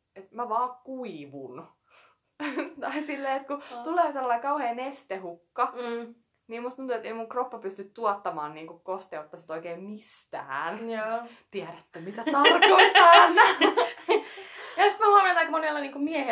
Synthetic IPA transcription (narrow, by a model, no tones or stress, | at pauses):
et̪mæʋɑːkkuiʋṵn | t̪ɑisilːeːet̪kut̪uleːselːɑikɑuheːnest̪ehukːɑ | niːmust̪unuet̪ːeimuŋkropːɑpyst̪yt̪t̪uɔt̪ːɑmɑ̰ːnniːŋkukkost̪eot̪ːɑsnt̪oikeːmmist̪æ̰ːn | t̪iæɾæt̪ːømit̪æt̪ɑrkoit̪ɑːnːɑ | jɑost̪mæhuonent̪ɑikmonelːɑniːŋkumiɛhe